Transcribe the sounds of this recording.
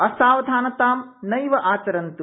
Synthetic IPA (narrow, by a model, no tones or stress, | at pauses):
ɐsaːʋɐd̪ʱaːnɐt̪aːmnɐjʋɐʔaːt͡ʃɐɾɐnt̪u